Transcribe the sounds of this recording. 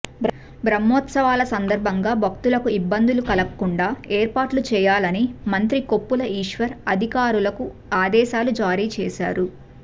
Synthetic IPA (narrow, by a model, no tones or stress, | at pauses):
bɾ | bɾɐmːɔːt̪sɐʋaːlɐsɐnd̪ɐɾbʱɐŋɡaːbʱɐk̚t̪ulɐkuibːɐnd̪ulukɐlɐkkːuɳɖaːeːɾpaːʈlut͡ʃɛːjaːlɐnimɐnt̪ɾiko̞pːulɐiːʂʋɐɾɐd̪ʱikaːɾulɐku | aːd̪ɛːʃaːlud͡ʒaːɾiːt͡ʃɛːʃa̰ːɾu